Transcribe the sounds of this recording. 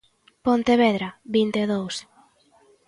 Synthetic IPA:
pont̪eβɛðɾabint̪eðows

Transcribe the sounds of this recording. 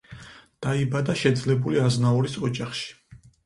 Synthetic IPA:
d̪̥aibad̪aʃɛd̪zlɛbuliaznaɔɾisɔd͡ʒaχʃi̥

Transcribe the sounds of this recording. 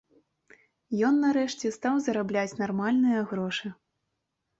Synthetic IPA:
jɔnːɐɾɛʂt͡sʲɛst̪awzɐɾablʲat͡sʲnarmalʲnɨjɐɣɾɔʂɨ

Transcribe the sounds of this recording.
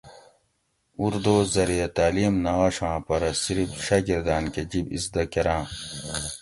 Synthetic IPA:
uɾd̪oːzɐɾijɐt̪aːlimnaɐɕãːpɐɾɐsiɾifɕɐɡiɾd̪aːnked͡ʑibisd̪ɐkeɾãː

